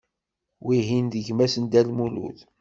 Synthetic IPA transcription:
wiɦind̪əʝmæsənd̪ælmulṵθ

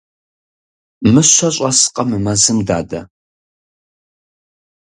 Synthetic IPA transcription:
mɨɕʷɐɕʼɐsqʼɐmɨmɐzɨmda̰ːdɐ̰

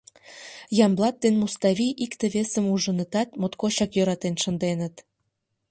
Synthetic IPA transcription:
jɑmblˠɑt̪̚ːenmust̪ɑβiʔikt̪ĕβesə̆muʒə̆nə̆t̪ɑt̪mot̪koɕɑkjøɾɑt̪enʃə̆nd̪enə̆t̪

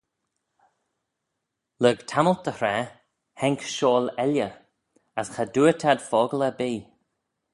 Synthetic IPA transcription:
ləɡtʰaməlt̚d̪̥əhɾɛ | hɛŋkʃoːlɛljə | asxad̪uətʰad̪fɔːɡləbiː

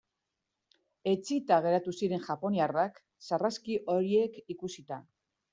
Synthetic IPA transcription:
e̞t͡sit̪aɣ̞e̞ɾat̪usiɾe̞nʝapo̞niarak | saraskiʔo̞ɾie̞kikusit̪a

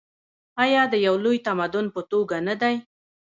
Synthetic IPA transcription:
ɑjɑd̪əjawlojt̪amad̪ʊnpət̪oɡanad̪aj

